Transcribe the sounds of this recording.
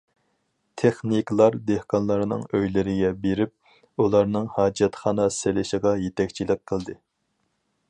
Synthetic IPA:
t̪ʰeχniklˠɑɾd̪ehqʰɑnlˠɑɾnɨ̰ŋøjlɪɾɪɡʲɛbeɾɪp̚ | ulˠɑɾnɨŋhɑːd͡ʒɛt̪χɑːnɑselɪʃəʁɑjet̪ʰɛkʲt͡ʃʰilɪk̚ʲqʰːəlˠd̪ɨ

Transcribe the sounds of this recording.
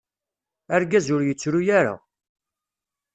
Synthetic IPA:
æɾɡæzʊɾjət͡sːɾujaɾa̰

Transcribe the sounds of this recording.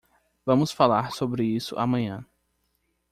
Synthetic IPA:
vɐ̃mʊsfalaɾsobɾɪisʊ̰ʔa̰mɐ̃ɲɐ̃

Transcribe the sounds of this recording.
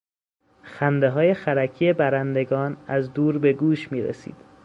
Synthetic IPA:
xænd̪e̞ɦɒːje̞xæɾæcʰije̞bæɾænd̪e̞ɡɒːnæzd̪uːɾbe̞ɡuːʃmiːɾḛsḭːd̪̥

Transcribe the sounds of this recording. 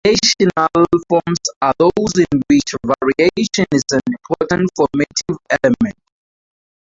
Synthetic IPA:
neʃɔnalfɔmsaðozĩnwɪt͡ʃvaɹieʃɔ̃nizãnĩmpʰɔtə̃ntfɔmatʰivɛlɛmɛ̃nt

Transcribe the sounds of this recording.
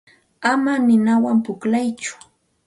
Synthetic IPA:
amanɪnawampʊklajt͡ʃʊ̥

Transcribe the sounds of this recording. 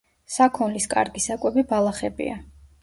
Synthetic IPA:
sakʰɔnliskʼa̰ɾɡisakʼwɛbibalˠaχɛbḭa

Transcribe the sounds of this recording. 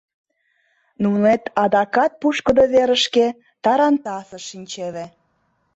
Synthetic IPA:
nunet̪ɑd̪ɑkɑt̪̚puʃkə̆d̪oβeɾə̆ʃke | t̪ɑɾɑnt̪ɑsɤ̆ʃinʲt͡ɕeβe

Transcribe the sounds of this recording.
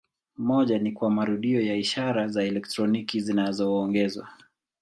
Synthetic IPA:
mɔʄanikwamaɾuɗiɔjaiʃaɾazaɛlɛktɾɔnikizinazɔːŋɡɛzwa̰

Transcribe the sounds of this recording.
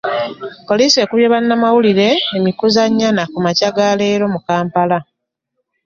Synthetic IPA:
ko̞lise̞ːkuβjeβanːamawuliɾe̞ːmikuzaɲːanakumacaɡale̞ːɾo̞mukaːmpala

